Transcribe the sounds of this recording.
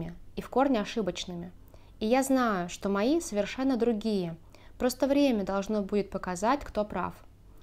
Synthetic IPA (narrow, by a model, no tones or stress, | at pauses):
ɪifko̞rnʲɪɐʂɨbət͡ɕnɨmʲɪ | ijaznajʊʂt̪o̞mɐisəvʲɪrʂɛnːəd̪ɾʊɡʲijə | pɾo̞st̪əvɾʲemʲəd̪ɐlˠʐno̞budʲɪt̪̚pəkɐzatʲkt̪o̞pɾa̰f